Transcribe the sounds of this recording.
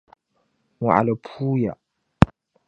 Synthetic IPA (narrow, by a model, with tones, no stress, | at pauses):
wa˨a̰˨la˨pʰuː˦ja̰˨